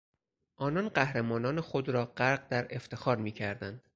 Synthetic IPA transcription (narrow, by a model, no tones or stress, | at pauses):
ʔɒːnɒːnɢæhɾemɒːnɒːnexod̪ɾɒːɢæɾɢd̪æɾe̞ft̪ʰe̞xɒːɾmiːcʰæɾd̪ænd̪̥